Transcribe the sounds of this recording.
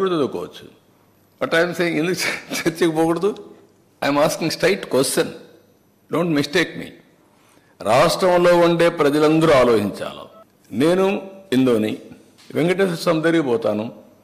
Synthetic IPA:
iɽt̪ɐd̪ukɔ̰ːʋɐt͡ʃːu̥̰ | bɐʈɐjmseːjiŋɡend̪ukut͡ʃeɾt͡ʃːɐkɐpɔːɡuɽɐd̪u | ɐjmaːskĩŋɡsʈɐjʈːkʋesʈɐn | ɖoːɳʈmisʈeːkmḭː | ɾaːʂʈɾɐmlo̞ːuɳɖe̞ːpɾɐd͡ʒɐlɐnd̪ɐɾuaːloːɦiɲt͡ʃa̰ːlṵ | ne̞ːnuind̪oːni | ʋeŋkɐʈesusɐmd̪ɐɾiɡipɔːt̪aːnu

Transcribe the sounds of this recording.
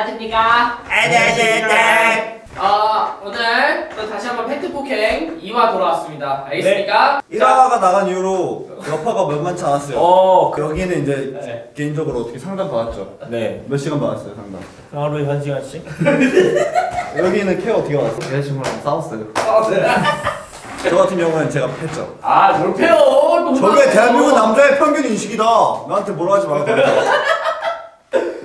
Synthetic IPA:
tʰɯmɲik͈aened͡ʑene | aonɯɭkɯtaɕʰiɦanbʌnpʰetʰɯbukʰeŋiwatoɾawas͈ɯmɲidaaɡesneɲik͈aiɾaaɡanaɣanjuɾo | jʌpʰaɡamjʌɭmant͡ɕʰanas͈ʌjokjʌɡinɯniɲd͡ʑe̞keimd͡ʑʌɡɯɾoʌt͈ʌkʰsʰaŋdaŋpaɡat̚t͡ɕ͈one̞mjʌɭɕ͈iɡanbanas͈ʌjosʰaŋda̰ŋ | ɾoeɦjʌnd͡ʑiɦaɭɕ͈i | jjʌɡinɯnkʰeʌtʰʌkʰeaas͈oteaɕʰimɯɭamos͈aas͈ʌjosas | t͡ɕʌɡatʰɯnjʌŋonɯnt͡ɕe̞ɡapʰet͡ɕ͈o̰ | ajopʰejot͡ɕʌɡieteapjoŋɯnːamd͡ʑaepʰjʌŋɡjuninɕʰiɡidanaɦantʰemoɾaɡad͡ʑimaɾak

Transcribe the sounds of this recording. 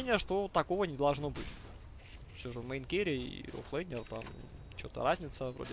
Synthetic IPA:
nʲɪjəʂt̪ot̪ɐkovənʲɪd̪ɐlˠʐno̞bɨtʲ | fsʲoʐɨvməjnkʲeɾʲɪḭo̰flˠɛnʲɪrt̪am | t͡ɕo̰t̪ə̰ɾazʲnʲɪt̪səvɾo̰dʲɪ

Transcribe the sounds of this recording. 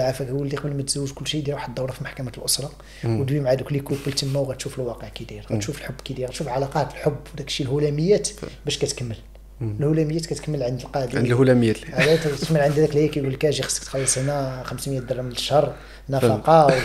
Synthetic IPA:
ʕafækwəlːiqbəlmæt̪zæwːəʒkʊlːʃid̪jɾwaħəd̪ˤːɑwɾɑfimaħkæmæt̪əlʔosɾˤɑ | wd̪wimʕad̪uklikubəlt̪əmːawɣæt̪ʃufəlwɑqəʕkæd̪iɾɣæt̪ʃufəlħobːkæd̪iɾɣæt̪ʃufʕalɑqɑt̪əlħʊbːwd̪ækʃilhulæməjːæt̪bæʃkæt̪kəmːəl | əlhulæməjːæt̪kæt̪kəmːəlʕənd̪əlqɑʕd̪nhulæməjːæʕalæt̪məlʕənd̪æd̪ækljækæɡulːkæʒixə̥sːˤə̥kt̪xɑlːisˤinæxəmsmjæt̪̚d̪ɑrˤːɑmnəʃɑrˤː | nːæfɑqɑ

